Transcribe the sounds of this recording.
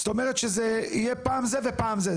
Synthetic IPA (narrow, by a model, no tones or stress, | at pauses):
st̪o̞meʁet̪ʃezeijepaːmzevepaːmze